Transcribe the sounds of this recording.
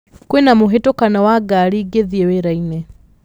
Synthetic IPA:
kwenamoɦetokanawaɡaɾiːɡeðieweɾainɛ

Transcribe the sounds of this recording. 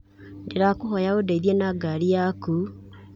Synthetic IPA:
ndeɾakoɦɔjaodaiðiɛnaːɡaɾijaku

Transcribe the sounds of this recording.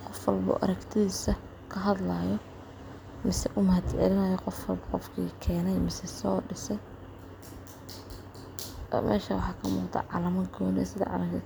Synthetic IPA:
qɔfwɐlbṵːʔɐ̰ɾɐkt̪ʰɪðiːsɐ | kʰɐɦɐd̪lɐjɔ | mɪsɛʔʊmɐhɐd̪ʕɛ̰lɪnɐːjɔqɔfwɐlbqɔfkʰḭːkʰɛːnɛjmɪsɛsɔːɖɪsɛj | mʔɛ̰ːʃɐwɑħɑːkʰɐmuːqt̪ʰɐ̰ʕɑlɐmɐɡɔːnɛ̰ːsɪðɐ̰ʕɑ̰lɐ

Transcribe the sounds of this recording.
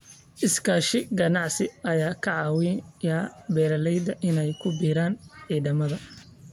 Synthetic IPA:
ʔɪskʰaːʃɪɡɐnɑʕsɪʔɐjaːkʰɐʕɑːwɪjaːbɛːlɐlɛjd̪ɐʔɪnɛjkʰʊbiːɾaːnʕiːðɐmɐðɐ

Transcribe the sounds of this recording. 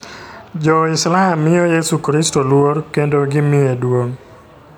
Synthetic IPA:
d͡ʒɔɪslaamɪɔjesukɾistolworkendoɡɪmɪedwoŋ

